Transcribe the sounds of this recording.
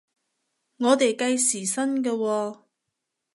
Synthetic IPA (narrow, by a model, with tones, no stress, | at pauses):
ŋɔː˨˧t̪e˨jkɐ˧jsiː˨˩sɐ˥nkɐː˧wɔː˧